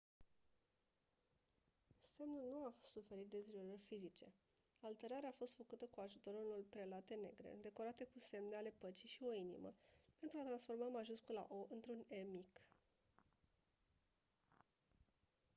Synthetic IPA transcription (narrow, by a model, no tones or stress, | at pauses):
se̞mnulnuasufe̞ɾit̪̚d̪ezɾioɾərʲfizit͡ʃe̞̰ | alt̪e̞ɾaɾeafo̞st̪fəkut̪əkuaʒut̪o̞ɾunolpɾe̞lat̪e̞ne̞̰ɡɾe̞̰d̪e̞ko̞ɾat̪e̞kuse̞mne̞ale̞pət͡ʃiʃio̞inḭmə̰pe̞nt̪ɾuat̪ɾansfo̞rmamaʒuskula̰ʔoʔɨnt̪ɾune̞mik